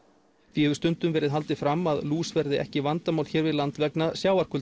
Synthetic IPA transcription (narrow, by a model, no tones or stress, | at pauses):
vihɛvʏst̪ʏnt̪ʏmvɛːɾɪðɦalt̪ɪfɾamːaðluːsvɛɾðɪɛ̰hcɪvant̪amawl̥çɛːɾvɪðlant̪vɛknasjaːwaɾkʰʏl